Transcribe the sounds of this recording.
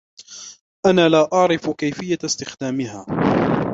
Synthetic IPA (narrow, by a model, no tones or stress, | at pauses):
ʔanaːlaːʔɑʕɾɪfkajfɪjːast̪ɪxd̪aːmɪhaː